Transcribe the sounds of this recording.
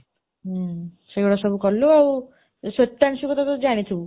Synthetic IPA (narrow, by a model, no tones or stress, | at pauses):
seɡɔɽɔsɔbukɔluaw | sɔt̪ːansukɔt̪ʰat̪ɔd͡ʒaɽ̃it̪ʰi